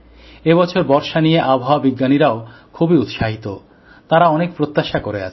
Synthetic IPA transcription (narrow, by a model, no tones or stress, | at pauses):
ebɔt͡ɕʰoɾbɔɾʃanijeʔabʱaabiɡːaniɾaokʰubiut̪ʃaɦit̪o | t̪aɾaɔnek̚pɾot̪ːaʃakoɾḛa̰